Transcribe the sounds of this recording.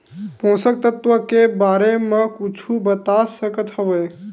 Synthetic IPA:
põːsək̚t̪ət̪ʋəkebaɾemẽkut͡ʃʰubət̪asəkət̪həʋə

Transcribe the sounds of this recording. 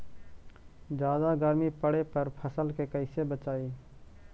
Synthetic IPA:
d͡ʒjaːd̪aɡəɾmipəɽepəɾpʰəsəlkekəɪsebət͡ʃaːiː

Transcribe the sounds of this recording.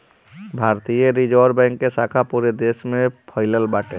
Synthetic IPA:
bʱaːɾt̪ijəɾid͡ʒɔːɾbɛ̃ːŋkːesaːkʰapuːɾed̪eːʃmẽpʰaɪləlbaːʈẽ

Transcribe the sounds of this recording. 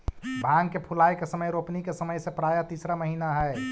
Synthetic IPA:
bʱãŋɡkepʰulajkesəməjɾopnikesəməjsepɾajat̪iːsɾaməɦiːnaɦɛe

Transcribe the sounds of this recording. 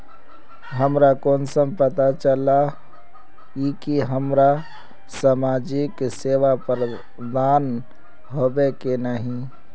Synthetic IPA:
ɦəmɾakonsəmpət̪at͡ʃəla | ikiɦəmɾa | samad͡ʒikseʋapɾə | d̪aːn | ɦobekenəɦĩ

